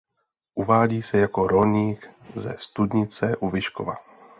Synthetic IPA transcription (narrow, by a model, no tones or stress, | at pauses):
ʔuvaːɟiːsɛjako̞ɾolɲiːkzɛ̰st̪ud̪ɲɪt͡sɛʔuvɪʃkova̰